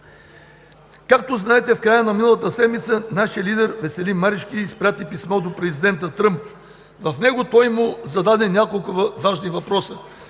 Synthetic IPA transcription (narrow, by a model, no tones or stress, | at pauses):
kak̚t̪oznaɛt̪ɛfkɾajənɐminəlˠɐt̪əsɛd̪mit̪sənaʃijəlid̪ɛɾvɛsɛlimːaɾiʃkiːspɾʲat̪ipismɔd̪opɾɛzid̪ɛnt̪ət̪ɾɤmp̚ | vɐfnɛɡʊt̪ɔjmʊzɐd̪ad̪ɛnʲakolˠkʊvaʒnivɐpɾɔsə